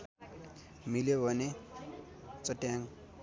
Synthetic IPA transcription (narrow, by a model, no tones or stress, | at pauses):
miljobʱʌne | t͡sʌʈjaŋ